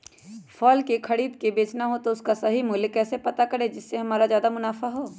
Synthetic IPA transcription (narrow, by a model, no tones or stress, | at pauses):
fʰɔːlkekʰɐɽiːd̪kebeːt͡ʃnaɦot̪oʊskasɐɦimʊlkɛːsepɐt̪akɐɾed͡ʒɪsːeɦɐmaːɾazjaːd̪amʊnaːfaɦoː